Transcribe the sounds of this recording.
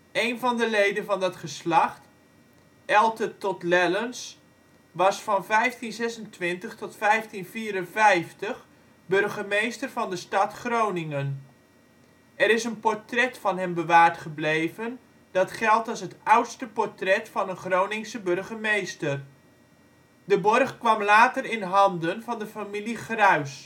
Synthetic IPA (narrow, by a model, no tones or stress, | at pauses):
ejnvɑndəlejdənvɑndɑtχəslɑχt | ʔɛlˠtətɔtlɛləns | ʋɑsfɑnvɛjftinzɛsəntʋɪntəχtɔtfɛjftinfiːɾənvɛjftəχ | bɵrχəmejstərvɑndəstɑtχrownɪŋən | ɛɾɪsənpɔrtrɛtfɑnɦɛmbəʋaːrtχəblejvən | d̥ɑtχɛlˠtɔsɦətʌwtstəpɔrtrɛtfɑnənχrownɪŋsəbørɣəmejstər | dəbɔrχkʋɑmlaːtərɪnɦɑndənvɑndəfamiliχrœɥs